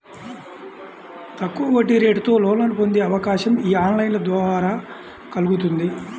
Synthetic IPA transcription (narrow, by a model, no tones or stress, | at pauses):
t̪ɐkːuʋɐʋɐʈːiɾe̞ːɖut̪o̞ːlɔːlɐnipond̪eːɐʋɐkaːʃɐmiːaːnlɐjinlɐd̪ʋɐːaɾaː | kɐluɡut̪̬und̪i